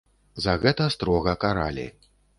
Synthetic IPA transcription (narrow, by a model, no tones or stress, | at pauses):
zɐɣɛt̪ɐst̪ɾɔɣɐkaɾa̰lʲḭ